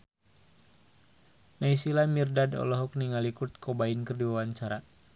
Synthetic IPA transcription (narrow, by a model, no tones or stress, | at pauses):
naisilamirdadɔ̰lɔɦɔk̚niŋalikut̪̚kɔbainkərdiwawaɲt͡ʃaɾa